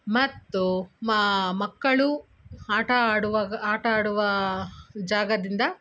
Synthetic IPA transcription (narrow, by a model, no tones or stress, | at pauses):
mɐt̪ːu | mɐkːɐɭu | aːʈɐaːɽuʋaːɡɐaːʈɐaːɽuʋɐ | d͡ʒaːɡɐd̪ind̪ɐ